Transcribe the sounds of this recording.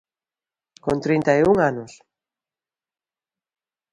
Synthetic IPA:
kont̪ɾint̪ajuŋanʊs

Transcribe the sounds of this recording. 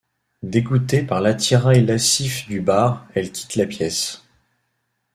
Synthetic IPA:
d̪eɡut̪epaʁlat̪iʁajlasifd̪ybaːʁɛlkʲi̥t̪lapjɛs

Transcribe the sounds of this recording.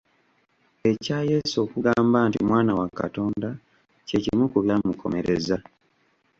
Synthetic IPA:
e̞caːje̞ːsoːkuɡaːmbaːntḭmwaːnawaka̰to̞ːnda | cecimukuβjaːmukʰo̞̰me̞ɾe̞za

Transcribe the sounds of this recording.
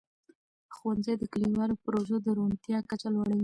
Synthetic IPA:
xwanzajd̪əkaliwɑlopɾoʒod̪əɾont̪jɑkat͡ʃalwaɽəwi

